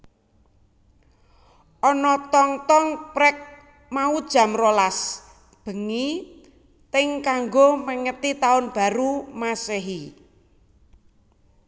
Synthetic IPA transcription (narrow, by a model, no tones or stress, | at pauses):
ʔɔnɔt̪ɔŋt̪ɔŋpɾɛk̚ | maud̥ʒ̥a̤mɾolas | b̥ə̤ŋi | t̪ɪŋkaŋɡoməŋət̪it̪aʊnb̥a̤ɾumaseɦi